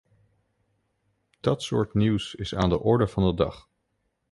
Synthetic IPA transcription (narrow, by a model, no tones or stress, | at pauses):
d̥ɑtsʊ̰ːɹtniwsɪsaːndəʔɔɹdəɹv̥ɑndədɑ̰χ